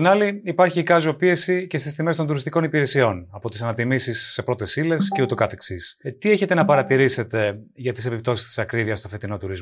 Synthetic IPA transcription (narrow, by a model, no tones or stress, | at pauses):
t̪inɐliipɐɾçikɐzopie̞sice̞st̪ist̪ime̞st̪o̞nd̪uɾist̪iko̞nipiɾesio̞nɐpo̞t̪isɐnɐt̪imisisːe̞pɾo̞t̪e̞sile̞sceut̪ekɐθeksist̪ie̞çe̞t̪e̞nɐpɐɾɐt̪iɾise̞t̪e̞ʝɐt̪isepip̚t̪o̞sist̪i̥sɐkɾiviɐst̪o̞fe̞t̪ino̞t̪uɾizmo